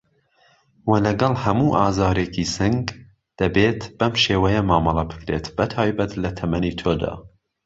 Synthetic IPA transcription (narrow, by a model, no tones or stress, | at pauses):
wɐlɐɡɐlˠhɐmuːʔɑːzɑːɾeːkisɨŋɡ | d̪̥ɐbeːt̪b̥ɐmʃeːwɐjɐmɑːmɐlˠɐbɨ̥kɾeːt̪bɐt̪ʰɑːjbɐt̪lɐt̪ʰɐmɐniːt̪ʰoːd̪ɑ̰ː